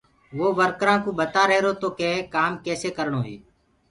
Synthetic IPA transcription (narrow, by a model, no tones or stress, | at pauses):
ʋoːʋəɾkɾãːkũːɓət̪aːɾəɦeɾoːt̪oːkẽːkaːmkeːseːkəɾɳoːɦḭː